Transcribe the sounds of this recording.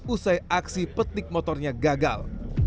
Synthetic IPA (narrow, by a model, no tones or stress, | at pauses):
usajʔaksipət̪ɪk̚mɔt̪ɔrɲaɡaɡa̰l